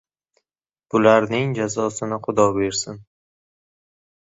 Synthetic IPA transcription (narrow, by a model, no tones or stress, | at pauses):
b̥ʊlaɾnɪŋd͡ʒazɒsɪnɪχʊd̪ɒbe̞ɾsɪn